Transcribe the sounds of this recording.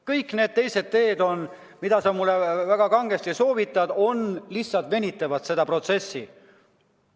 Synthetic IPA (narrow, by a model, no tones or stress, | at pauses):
kɤjkːne̞ːd̪̚t̪e̞jse̞d̪̥̚t̪e̞ːd̪o̞n | mid̪̥ɑsɑmulːevæɡ̥ɑkɑŋɡ̥est̪iso̞ːvit̪ːˑɑd̪̥o̞nlihsːɑlt̪ve̞nʲit̪ːˑɑvɑd̪̥se̞d̪ɑpro̞t̪se̞sːḭ